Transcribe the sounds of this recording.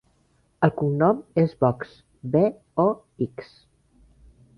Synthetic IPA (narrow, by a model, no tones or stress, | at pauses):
əlˠkuŋnɔmezbɔks | be | ɔ | iks